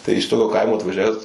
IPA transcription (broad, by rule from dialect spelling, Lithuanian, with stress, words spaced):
tɐɪ ɪʃ ˈtoːkʲoː ˈkɐɪmoː ɐtʋɐˈʒʲæːʋʲɛs